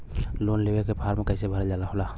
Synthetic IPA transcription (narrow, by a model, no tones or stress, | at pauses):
loːnleːwekepʰaːɾmẽkəɪsebʱəɾd͡ʒalaɦola